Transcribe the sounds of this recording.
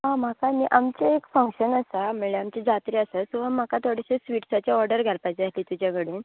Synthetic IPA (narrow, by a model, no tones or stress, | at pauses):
ɦãm̤akamiʔamt͡ɕaekfəŋkɕənəsameɭeamt͡ɕed͡zat̪ɾiəsasuʋam̤akat̪ʰoɽiɕesʋiʈsat͡ɕaɔɾɖəɾɡʱalpajt͡seat̪liːt̪ud͡ʑjaɡəɽiːn